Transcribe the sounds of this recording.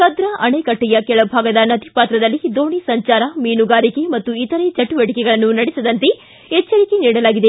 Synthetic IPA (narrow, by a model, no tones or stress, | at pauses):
kɐd̪ɾaʔɐɳekɐʈːijɐkɛɭɐbʱaːɡɐd̪ɐnɐd̪ipaːt̪ɾɐd̪ɐlːid̪oːɳisɐɲt͡ʃaːɾɐmiːnuɡaːɾike̞mɐt̪ːuit̪ɐɾet͡ʃɐʈːuʋeʈikɛɡɐɭɐnːunɐɽisɐd̪ɐnt̪e̞ | ɛt͡ʃːɐɾikeniːɽɐlaːɡid̪e